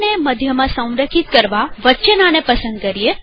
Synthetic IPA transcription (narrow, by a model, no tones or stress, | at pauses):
neməd̪ʱjəmãsə̃w̃ɾəkʰit̪̚kəɾʋaʋət͡ʃənanepəsə̃nd̪̚kəɾie